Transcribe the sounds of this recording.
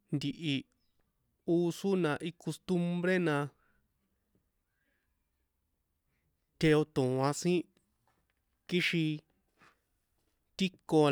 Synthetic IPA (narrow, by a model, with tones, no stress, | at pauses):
nd̪i˨ʔi˨ | uː˦˧su˦nã˧ʔi˧ko˧st̪u˦˧mbɾe˦nã˧ | t̪ʰe˧o˧t̪ũ˨ã˧sĩ˦ | ki˦ʃĩ˧ | t̪i˦ko˧